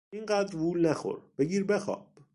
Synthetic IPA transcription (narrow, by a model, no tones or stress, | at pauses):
inɢæːd̪ɾbulnæxo̰ɾb̥eɡiːɾbexɒ̰ːb̥